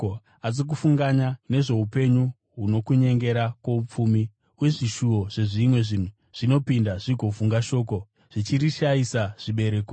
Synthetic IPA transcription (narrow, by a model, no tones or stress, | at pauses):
o | azik̬ufuŋɡaɲane̞ʐe̞upe̞ɲu | ɦuno̞kuɲe̞ŋɡe̞ɾakwoup͡fumi | we̞ʐiʃuo̞ʐ̥e̞ʐimwe̞ʐin̤u | ʐ̥ino̞pindaʐiɡʱo̞fuŋɡaʃo̞ːk̬o̞ | ʐ̥it͡ʃiriʃaisaʐ̥iɓe̞ɾe̞ːko